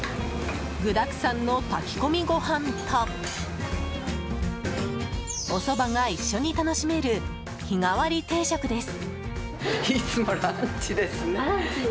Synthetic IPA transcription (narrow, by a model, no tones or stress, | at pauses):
ɡɯ̟d̪akɯ̟̥sãnːo̞t̪akʲi̥ko̞mʲiɡo̞hãnt̪ʰa | o̞so̞baŋaiɕːo̞ɲ̟it̪ano̞ɕime̞ɾɯ̟ | çiŋaβaɾʲit̪e̞ːɕakɯ̟d̪e̞sɨ̥ | it͡sɨmo̞ɾaɲt͡ɕid̪e̞sɨne